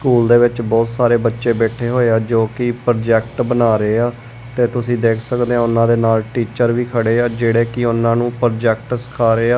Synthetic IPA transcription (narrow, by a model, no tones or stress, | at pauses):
skuːld̪eːʋɪt͡ʃbɔːt̪saːɾeːbətːʃeːbɛːʈʰeːɦoːeaːd͡ʒoːkɪpəɾd͡ʒɛːkʈbənaːɾeːaː | t̪eːt̪ʊsĩːd̪eːkʰsəkd̪eːãːʊnːãːd̪eːnaːlʈiːt͡ʃəɾʋiːkʰəɽeːaːd͡ʒeːɽeːkɪʊnːãːnũːpəɾd͡ʒɛːk̚ʈsə̥kʰaːɾeːaː